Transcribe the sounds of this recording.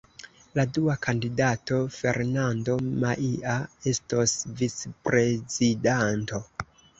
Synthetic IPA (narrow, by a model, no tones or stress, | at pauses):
laduakʰandidato̞fe̞̰ɾnando̞maʔiae̞stosvit͡spɾe̞zidanto̞